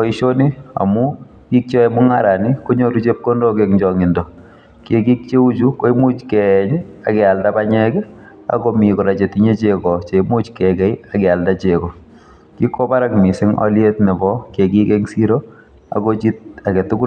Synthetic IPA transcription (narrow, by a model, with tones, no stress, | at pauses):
ɔ˨iʃo˦ni˦a̰mʊ˦ | ki˦k̚t͡ʃɔ˦ɛmʊ˦ŋaɾa˨ni˦ko˦ɲo˦ɾut͡ʃe˦p̚ko˦ndɔ˦kekɲd͡ʒɔŋɪ˨ndɔ˨ | ke˦ki˦k̚t͡ʃe˦u˦t͡ʃuko˦i˦mu˦t͡ʃkɛɲakɛ˨a˨ldabaɲɛkɛ˦ | a̰komi˨kɔ˨ɾa˨t͡ʃe˨tiɲe˦t͡ʃekɔt͡ʃe˨imu˦t͡ʃkɛkɛ˨iakɛa˨ldat͡ʃekɔ˨ | ki˦kːo˦ba˦ɾakmi˨sɪ˦ŋɔ̰lje˦tnɛ˨bɔ˦keki˦kɛŋsi˦ɾo | a̰kot͡ʃi˦t̚a˨kɛ˨tʊ˦kʊ˦